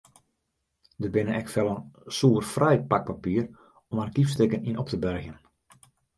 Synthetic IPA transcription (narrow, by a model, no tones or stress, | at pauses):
dəbɪnəʔɛkfɛlˠənsuːərfrɛjpak̚papiːər | ɔmankifstɪkəninɔp̚təbœrxjən